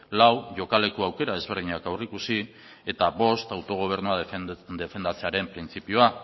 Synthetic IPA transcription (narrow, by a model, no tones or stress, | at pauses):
lawʝo̞kale̞koawke̞ɾaðe̞zβe̞ɾð̞iɲakawrikusi | e̞t̪aβo̞st̪awt̪o̞ɣ̞o̞β̞e̞ɾnuad̪efe̞nd̪at͡se̞aɾe̞mpɾint͡sipioa